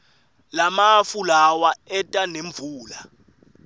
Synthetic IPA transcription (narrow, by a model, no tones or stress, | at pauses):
lamafulawaɛtʼaneɱb̪vʱuːla